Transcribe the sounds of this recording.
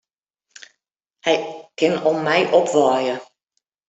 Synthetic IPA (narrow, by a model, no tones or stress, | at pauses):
hɛjkɪnɔmmːɛjʔɔpʋɑːjə